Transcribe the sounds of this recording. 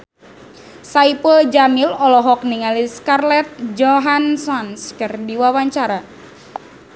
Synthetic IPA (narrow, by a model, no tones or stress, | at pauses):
saipəld͡ʒamilɔlɔɦɔk̚niŋaliskarlɛt̪̚d͡ʒɔɦansɔnskɨrdiwawaɲt͡ʃaɾa